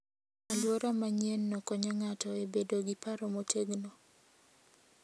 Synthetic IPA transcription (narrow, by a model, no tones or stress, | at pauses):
alwɔɾamaɲjenːɔkɔɲɔŋatɔebedoɡipaɾɔmoteɡno